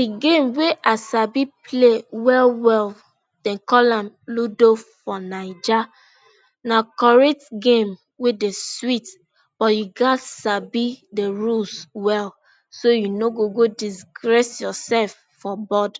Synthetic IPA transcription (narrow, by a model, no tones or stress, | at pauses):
diɡẽmweʔasabipʰlewɛlwɛl | d̥ɛ̃nkɔlãmludofɔnaɪd͡ʒa | nakɔɹɛtɡẽm | wedeswit | b̥ɔjuɡasabideɹulswɛl | sojunoɡoɡodisɡɹɛsjɔsɛlf | fɔbɔd